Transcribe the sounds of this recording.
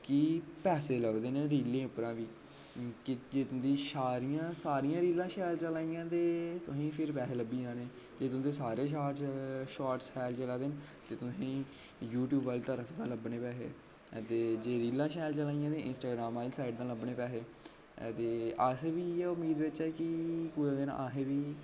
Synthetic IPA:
kiːpɛːseːləbd̪eːneːɾiːlẽːʊpɾãːʋiː | kɪd͡ʒeːd̪iːʃaːɾijãːsaːɾijãːɾiːlãːʃɛːlt͡ʃəlaːijãːt̪eːt̪ʊsĩːpʰɪɾpɛːseːləbiːãːneː | d͡ʒeːt̪ʊ̃d̪eːsaːɾeːʃaːʈʃaːʈsɛːlt͡ʃəlaːd̪eːn | t̪eːt̪ʊsĩː | juːʈjuːbəlt̪əɾəfʰd̪ãːləbneːpɛːɦḛː | t̪eːd͡ʒeːɾiːlãːʃɛːlt͡ʃəlaːijãːd̪eːɪ̰nsʈaːɡɾaːmaːlisaːɪʈd̪ãːləbneːpɛːɦeː | t̪eːəsʋiːeːʊmːiːd̪ʋɪt͡ʃɛːkɪkʊ̃ːd̪enã̰aːɦeːʋiː

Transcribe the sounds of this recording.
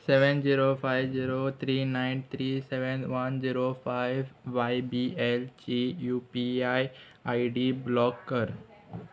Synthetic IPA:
seːʋənd͡ʑiːɾofaːɪʋziːɾot̪ʰɾiːnãːɪ̃nt̪ʰɾiːseʋənʋɐnziːɾofaɪʋːaːbielt͡ɕijuːpiaːi | aːɪɖiblɔːɡːɐɾ

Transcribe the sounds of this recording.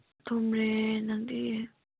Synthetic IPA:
t̪ʰomɹenaŋd̪i

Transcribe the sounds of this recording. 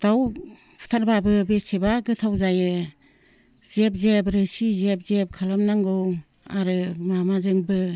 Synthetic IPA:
d̥aw | pʰu̥t̪ʰaɾbabɯbesebaɡɯtʰawzajɯ | zep̚zepɾɯsizep̚zep̚kʰalamnaŋɡɯw | a̰ɾɯmamazɯŋbɯ

